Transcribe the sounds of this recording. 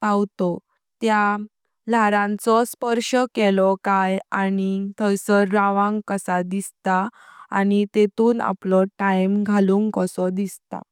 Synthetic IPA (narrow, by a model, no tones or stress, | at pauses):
pawt̪ɔ | t̪ja | laɾãnt͡sɔspəɾɕəkɛlɔkajanit̪ʰəsəɾːaʋãŋɡkəsad̪ist̪a | a̰nit̪et̪uːna̰plɔʈajmɡʱaluːŋkɔsɔd̪ist̪a̰